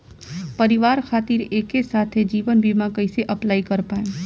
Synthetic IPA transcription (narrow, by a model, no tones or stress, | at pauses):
pɐɾɪʋaːɾkʰaːt̪iːɾeːkːesaːt̪ʰed͡ʒiːʋənbʱimãkɐiseʔɐplaːikɐɾpaːẽ